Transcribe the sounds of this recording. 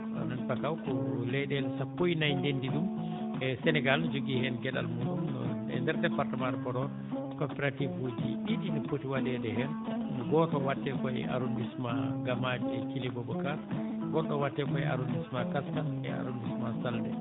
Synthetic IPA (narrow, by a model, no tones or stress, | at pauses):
a̰nanpakawkɔlɛɗɛlsapːojnajndendiɗum | ɛsɛnɛɡalnɔd͡ʒoɡiːhɛnɡɛɗa̰lmuːɗumnɔ̰ɛ̰ndɛɾtɛpaɾtamaɾbɔɾɔ | kɔpɛɾativhod͡ʒiidinipotiwadɛdɛɦɛnɡɔːtɔwatːɛkɔɛ̰ʔa̰ɾondismaɡamad͡ʒɛkilibɔbɔkaɾɡɔɗːɔwatːɛkɔɛa̰ɾundismakaskaɛ̰a̰ɾondismasaldɛ̰